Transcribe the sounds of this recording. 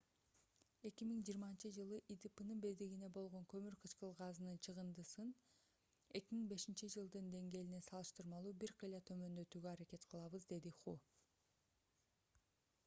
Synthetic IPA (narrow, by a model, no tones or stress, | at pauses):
e̞kʲimiŋd͡ʒijːɾmɑnt͡ʃɯd͡ʒɯlˠɯʔid̪ipɯnɯnbezd̪iɡine̞bo̞lˠʁo̞ŋkø̞myɾqʰɯt͡ʃqɯlˠʁɑzɯnɯnt͡ʃʰɯʁɯnd̪ɯsɯn | e̞kʲimiŋbe̞ʃint͡ʃid͡ʒɯlˠd̪ɯnd̪e̞ŋɡe̞ːlinesɑlˠɯʃt̪ɯɾmɑlˠuːbiɾqʰɯjlˠɑt̪ʰø̞mø̞nd̪ø̞t̪yːɡøɑɾake̞t̪qʰɯlˠɑβɯzd̪e̞d̪iχu